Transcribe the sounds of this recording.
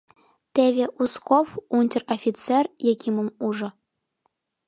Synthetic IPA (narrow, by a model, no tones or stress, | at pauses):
t̪ʲevʲeʔuskofunʲtʲerofʲit͡serjekʲimumuʐɤ̆